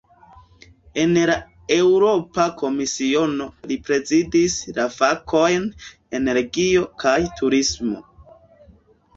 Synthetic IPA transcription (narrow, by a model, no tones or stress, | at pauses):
e̞nla | e̞wɾo̞pako̞misio̞no̞lipɾe̞zidislafakʰo̞jn | e̞ne̞ɾɡio̞kʰajtʰuɾismo̞̰